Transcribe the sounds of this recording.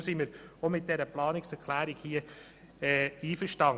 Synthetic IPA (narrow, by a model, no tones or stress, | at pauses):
siməɾomɪt̚d̥ɛɾəplɑːnɪksɛɾkʰlæːɾɪɡ̥hiə | ɛiːfəɾʃtɑŋ